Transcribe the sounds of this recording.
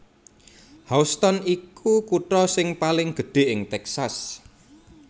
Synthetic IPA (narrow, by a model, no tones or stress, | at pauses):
haust̪ɔnikʰukuʈɾɔsɪŋpalɪŋɡ̥ə̤ɖ̥e̤ʔɪŋt̪ɛksas